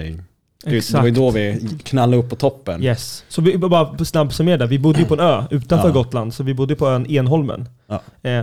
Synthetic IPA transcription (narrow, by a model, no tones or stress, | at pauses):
ɛsdɛavajd̪ovɪkʰnalːd̪əɵpːɔt̪ʰɔpːənjɛssɔvɪbɑːɾasnabːsœɾmeːɾɖ̪æɾvɪbʊd̪ːəjɵpʰɔɛnøːʉ̟ːt̪anfœɾɡɔt̪ːland̪sɔvɪbʊd̪ːəjəpʰɔɛneːnɦɔlmə̰n